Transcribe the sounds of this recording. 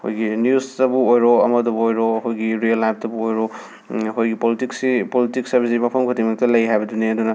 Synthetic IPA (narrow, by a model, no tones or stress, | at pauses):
ho̰jɡinijustɐbuojɾoɐmɐdubuojɾohojɡiɾiɐlːajp̚tɐbuojɾo | ɦojɡipolitiksipolitiksɐɾbis̬imapʰɐmkʰotimɐk̚tɐlɐjɦajbɐduneɐdunɐ